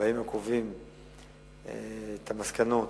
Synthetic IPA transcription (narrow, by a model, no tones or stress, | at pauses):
aimakovim | ḛet̪ʰamaskanot